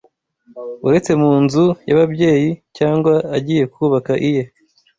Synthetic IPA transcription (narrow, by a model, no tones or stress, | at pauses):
uɾe̞t͡se̞muːnzujaβabɟe̞ːjicaːŋɡwaːɟije̞kuβakaʔije